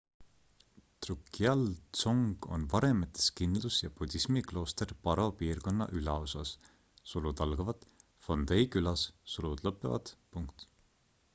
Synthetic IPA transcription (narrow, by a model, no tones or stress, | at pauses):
t̪rukːˑiɑlt̪so̞ŋɡ̥o̞̰nvɑɾemet̪ːˑe̥skind̪lusjɑpud̪̥ʲismiklo̞ːst̪e̞rpɑɾo̞piːrko̞nːɑ̰ʔylɑo̞sɑs | sulud̪̥ɑlɡɑvɑt̪ | fo̞nd̪ejkylɑssulud̪̥lɤpːˑevɑ̰d̪̥puŋkt̪